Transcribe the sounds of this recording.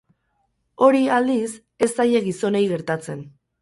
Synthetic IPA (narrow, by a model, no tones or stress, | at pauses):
o̞ɾiald̪is | e̞st̪aje̞ɣiso̞ne̞jɣe̞ɾt̪at͡se̞n